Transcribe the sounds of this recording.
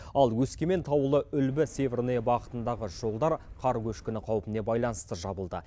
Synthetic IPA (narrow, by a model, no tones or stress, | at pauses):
ɑlˠwɵskʲeme̞nt̪ʰɑwəlˠəʔʏlbɪsevʲernebɑqət̪ənd̪ɑʁəʒ̥o̞lˠd̪ɑɾqʰɑɾkʲʰɵʃkʲɪnɪqʰɑwpəne̞bɑjlˠɑnəst̪əʒɑbəlˠd̪ə̰